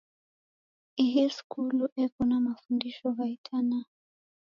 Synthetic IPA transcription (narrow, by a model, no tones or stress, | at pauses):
iɦiskuluʔɛkɔnamafundiʃɔɦaitʰana